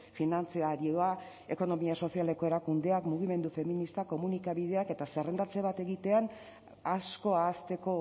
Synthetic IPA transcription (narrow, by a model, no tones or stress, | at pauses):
finant͡seaɾioa | e̞ko̞no̞miaso̞siale̞ko̞e̞ɾakund̪e̞akmuɣ̞ime̞nd̪ufe̞minist̪ako̞munikaβið̞e̞ake̞t̪asere̞nd̪at͡seβat̪e̞ɣit̪e̞an | asko̞aːst̪e̞ko̞